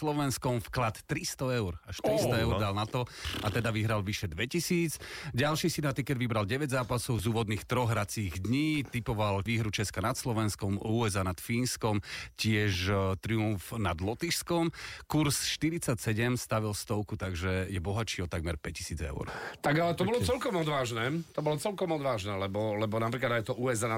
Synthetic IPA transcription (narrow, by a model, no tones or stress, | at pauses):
slɔʋɛnskɔmfklat̪ːɾist̪ɔɛʊɾaʃt̪ɾist̪ɔɛʊɾd̪alnat̪ɔat̪ɛd̪aʋiɦɾalʋiʃɛd̪ʋɛcisiːd͡zɟalʃisid̪at̪ikɛd̪ʋibɾalɟɛʋɛɟzaːpasɔʊzuːʋɔd̪niːxt̪ɾɔɣɦɾat͡siːɣd̪ɲiːt̪ipɔʋalʋiːɦɾut͡ʃɛskanat̪slɔʋɛnskɔmuːɛzanat̪fiːnskɔmcɪɛʒt̪ɾiuɱfnad̪lɔt̪iʃskɔmkuɾsʃt̪iɾit͡sacsɛɟɛmst̪aʋilst̪ɔʊkut̪aɡʒɛjɛbɔɦat͡ʃiːɔt̪aɡ̚mɛɾpɛci̥siːd͡zɛ̰ʊɾt̪aɡalɛt̪ɔbɔlɔt͡sɛlkɔmɔd̪ʋaːʒnɛt̪ɔbɔlɔt͡sɛlkɔmɔd̪ʋaːʒnɛːlɛbɔlɛbɔnapɾiklad̪aɪjt̪ɔʔuːɛzaːna